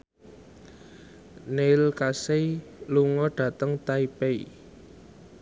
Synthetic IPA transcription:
nelkaseluŋɔɖ̥ä̤t̪əŋt̪aipei

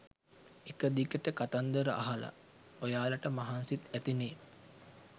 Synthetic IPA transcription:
ekəd̪ikəʈəkat̪and̪əɾəʔa̰ɦala̰ | ojaːlɐʈəmaɦansit̪æt̪ineː

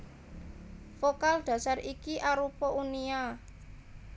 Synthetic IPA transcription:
fokald̪̥a̤sarikiʔaɾupɔʔunia

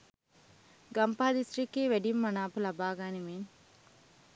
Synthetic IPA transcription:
ɡɐmpaɦɐd̪isɾikeːʋeɖimːɐnaːpulɐbaːɡaːniʋeːn

